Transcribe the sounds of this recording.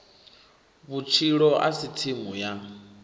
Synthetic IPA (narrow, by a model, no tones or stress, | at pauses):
βut͡ʃʰiɺɔʔa̰sitʰimuja